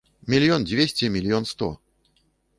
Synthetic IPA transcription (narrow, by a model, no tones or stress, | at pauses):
mʲilʲijɔnd͡zʲvʲesʲt͡sʲɛmʲɪlʲijɔnst̪ɔ̰